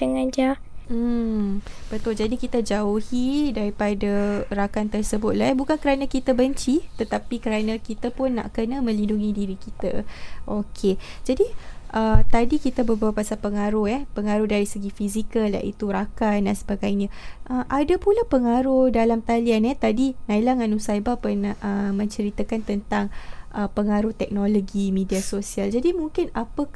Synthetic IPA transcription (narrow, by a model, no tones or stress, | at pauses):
d̪əŋand͡ʒa | m̩ | b̥ət̪ʊld͡ʒadikit̪ad͡ʒauhidaɾipadaɾakant̪ərsəbʊt̪̚laɛbukankəɾanãkit̪abəɲt͡ʃit̪ət̪apikəɾanãkit̪apʊnːa̰ʔkənamə̃linduŋidiɾikit̪a̰ʔokʰed͡ʒadiʔət̪adikit̪abəbawapasalpəŋaɾʊhɛpəŋaɾʊhdaɾisəɡifizikəlja̰ʔḭt̪uɾakandansəbaɡajɲãʔəmʔadapulapəŋaɾʊhdalamt̪alianɛt̪adinailaŋanusaibapənaʔəmə̃ɲt͡ʃəɾit̪akant̪ənt̪aŋʔəpəŋaɾʊht̪ɛk̚noloɡimĩdiasosiald͡ʒadimuŋkɪnapə